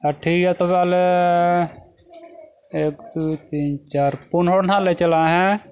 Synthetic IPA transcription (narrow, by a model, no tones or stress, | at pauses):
əʈʰiːkɦɛt̪opɛːle | eːkd̪ut̪iːnt͡ʃaːɾpʊnɦoːɽnãlet͡ʃəlaɦɛ̃